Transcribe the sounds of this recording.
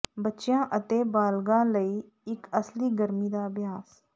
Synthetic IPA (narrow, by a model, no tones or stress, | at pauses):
bətːʃjãːʔət̪eːbaːlɡãːləiː | ɪkəsliːɡəɾmiːd̪aːbɪjaːs